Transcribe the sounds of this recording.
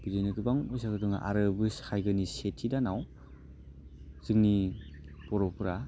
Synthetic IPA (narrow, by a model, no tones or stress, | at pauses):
b̥iɾenɯɡɯbaŋɔjsaɡɯdɯŋa̰ʔa̰ɾɯbɯshajɡɯnisetʰidanaw | z̥ɯŋni | pɔɾɔpɯɾa